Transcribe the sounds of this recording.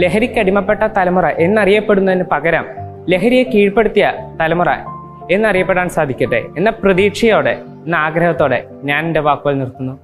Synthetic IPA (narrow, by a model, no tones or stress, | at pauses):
le̞ɦɐɾikʲːɐɽimɐpːe̞ʈːɐt̪ɐlɐmurɐʔe̞nːɐrijɐpːe̞ɽunːɐðinːɨpɐɣɐɾɐm | le̞ɦɐɾijekiːɻpːeɽut̪ːijɐt̪ɐlɐmurɐ̰ | e̞nːɐrijɐpːe̞ʈːaːnsaːd̪ʱikʲːɐʈːḛenːɐprɐðiːkʂɐjo̞ːɽḛ | enːaːɡɾɐhɐt̪ːo̞ːɽḛ | ɲaːninde̞ʋaːkuʋɐlnirt̪ːunːu